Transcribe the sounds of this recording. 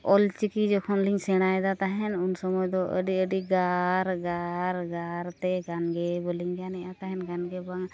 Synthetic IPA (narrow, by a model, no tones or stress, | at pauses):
ɔlt͡ʃikid͡ʒɔkʰɔnliŋsɛɽ̃ajd̪at̪aɦɛnunsɔmɔjd̪ɔʔə̰ɖiəɖiɡaɾɡaɾɡaɾt̪ɛɡanɡɛbɔliŋɡanɛʔat̪aɦɛnɡanɡɛbaŋ